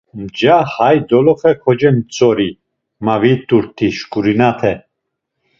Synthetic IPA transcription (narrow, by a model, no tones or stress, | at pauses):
md͡ʒahajd̪ɔlɔχɛkʰɔd͡ʒɛnt͡sʼɔɾi | mavit̪uɾt̪ʰiʃkʼuɾinat̪ʰɛ